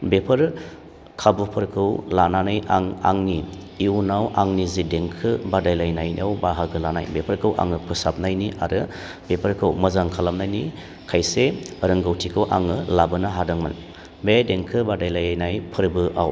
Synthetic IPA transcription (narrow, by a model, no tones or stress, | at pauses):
bepʰɯɾ | kʰabupʰɯɾkʰɯwlananajaŋa̰ŋni | iunawʔaŋnizideŋkʰɯbadajlajnajnḭawbaɦaɡɯlana̰jbepʰəɾkʰɯwʔa̰ŋɯpʰɯsap̚najniʔa̰ɾɯ | b̥epʰəɾkʰɯwmɐzaŋkʰalamnajni | kʰajseəɾɯŋɡawtʰikʰɯwʔa̰ŋɯlabɯnaɦadaŋmɯ̰n | bedeŋkʰɯbadajlajajnajpʰɯɾbɯʔa̰w